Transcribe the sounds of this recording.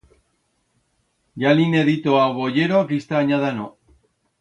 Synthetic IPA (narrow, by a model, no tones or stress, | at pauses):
ʝaline̞ðit̪oaβoʝeɾokist̪aːɲaðano